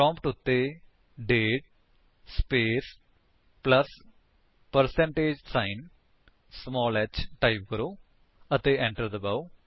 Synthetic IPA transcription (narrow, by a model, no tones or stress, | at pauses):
pɾɔ̃ːmpʈʊt̪ːeː | ɖeːʈ̚ | speːs | pləs | pəɾsɛ̃ɳʈeːd͡ʒsaːɪn | smɔːlɛt͡ʃʈaip̚kəɾoː | ət̪eːʔɛ̃ɳʈəɾd̪əbaːu